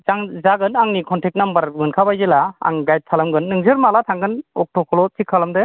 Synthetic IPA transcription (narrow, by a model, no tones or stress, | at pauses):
zaŋzaɡɯnaŋnikʰɔntʰek̚nambaɾɡɯnkʰabajzelaa̰ŋɡajt̚kʰalamɡɯnːɯŋzɯɾmalatʰaŋɡɯnɔk̚tʰɔkʰɔlɔtʰikʰːalamdɯ